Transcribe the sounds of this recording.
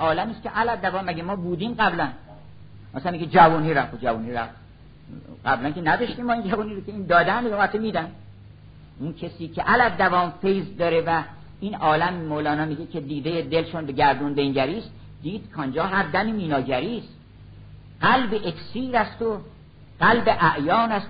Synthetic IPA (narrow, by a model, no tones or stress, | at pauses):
ɒːlæmiːskʰeʔælæd̪ːævɒːmːæɟʲemɒːbuːd̪iːmɡæblæn | mæsænmiked͡ʒævuːniːɾæft̪od͡ʒævuːniɾæ̰ft̪ | ɡæblænkʰenæd̪ɒʃt̪iːmːɒːind͡ʒævuːniːɾokʰʲeiːnd̪ɒːd̪ænd̪omhæt̪ʰːomiːd̪ænd̪ | unkʰesiːcʰeʔælæːævɒːmfejzd̪ɒɾevæ | iːnɒːlæmmolɒːnɒːmiːɟekʰe̞d̪iːd̪ejed̪elʃonbeɟæɾd̪unbeŋɟæɾiːst̪ | d̪̥iːd̪̥kʰɒnd͡ʒɒːɦæɾd̪æmiːmiːnɒːɟæɾiːst̪ | ɢælbeʔeksiːɾæst̪o | ɢ̥ælbeʔæʔjɒːnæs